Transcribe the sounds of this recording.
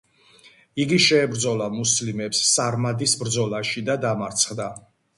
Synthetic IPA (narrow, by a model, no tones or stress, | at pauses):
iɡiʃɛːbɾd̪zɔlˠamuslimɛpsːaɾmad̪isbɾd̪zɔlˠaʃid̪ad̪amaɾt̪sʰχd̪a